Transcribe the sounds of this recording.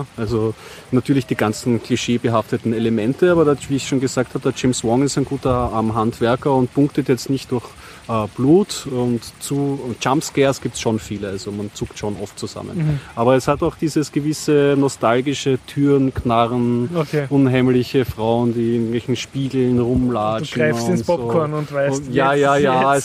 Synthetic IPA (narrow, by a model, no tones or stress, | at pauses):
ʔalzo | natʰyːɐlɪçd̥iːɡant͡sn̩kʰl̥iʃeːbəɦaftətn̩eləmɛntəaːbɐdaviːɪçʃoːnɡəzaːk̚thaːbəd̥aɐd͡ʒeɪmswɔŋɪstæɪnɡuːtɐʔaɐmɦantv̥ɛɐkɐʊnt̚pʊŋktətjɛt͡stnɪçtd̥ʊɐç | ʔɛːb̥luːtʊntt͡suːʊntt͡ʃamskɛɐsɡ̥iːp̚tsʃonfiːləalz̥omant͡suːktʃonʔɔft̚t͡suz̥a̰mə̰nʔaːbɐɛshataʊxd̥iːzəsɡ̥əvɪsənɔstalɡɪʃətʰyːnkʰnaʁənokʰeʊnhaɪmlɪçəfʁaʊəndiːɪŋtvɛlçn̩ʃpiːɡl̩nʁʊmlaːut͡ʃɡnʁaɪfʊɪntpɔokɔnʊntvaɪsjaːjaːjaɛs